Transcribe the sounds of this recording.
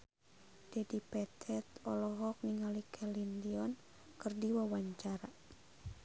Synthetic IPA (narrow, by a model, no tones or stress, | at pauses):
d̥ɛdipɛt̪ʰɛt̪ɔlɔɦɔk̚niŋalikʰɛlindiɔn | kɨrdiwawaɲt͡ʃaɾa